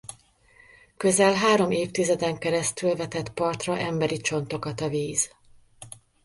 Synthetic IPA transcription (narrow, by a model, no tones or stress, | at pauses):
kø̞zɛlɦaːɾo̞meːft̪izɛd̪ɛŋkɛɾɛst̪ylvɛt̪ɛt̪pɒrt̪rɒʔɛmbɛɾit͡ʃo̞n̪t̪o̞kɒt̪ɒviːz̥